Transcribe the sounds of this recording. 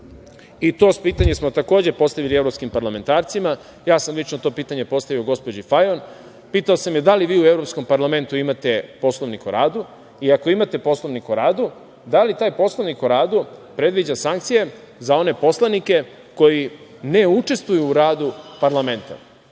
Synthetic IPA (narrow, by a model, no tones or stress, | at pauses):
it̪o̞ːspiːt̪aɲesmo̞t̪ako̞ːd͡ʑepo̞st̪aʋilieʋɾo̞pskimpaɾlame̞nt̪aːɾt̪sima | jaːsamlit͡ʃnot̪o̞ːpiːt̪aɲe̞po̞st̪aʋio̞ɡo̞spod͡ʑifajon | piːt̪aosamjed̪aliʋiːue̞vɾopsko̞mpaɾlame̞nt̪uimat̪e̞po̞slˠoʋnikoɾaːd̪u | iakoimat̪e̞po̞slˠoʋnikoɾaːd̪u | d̪alit̪aːjpo̞slˠonikoɾaːd̪upɾe̞d̪ʋid͡ʑasaŋkt̪sije̞ | zao̞ne̞po̞slˠanike̞ | ko̞jine̞ut͡ʂe̞st̪ʋujuːɾaːd̪upaɾlame̞nt̪a̰